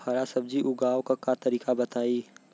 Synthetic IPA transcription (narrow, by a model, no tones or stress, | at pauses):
hɐɾasɐb̚d͡ʒiʔʊɡaːwkakat̪ɐɾiːkabɐt̪aːi